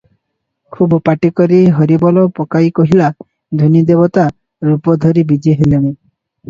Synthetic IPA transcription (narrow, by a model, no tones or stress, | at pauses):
kʰubpaʈikɔɾiɦɔɾibɔlɔpɔkajkoɦila | d̪ʱunid̪ebɔt̪a | ɾupɔd̪ʱɔɾibid͡ʒiɦelemi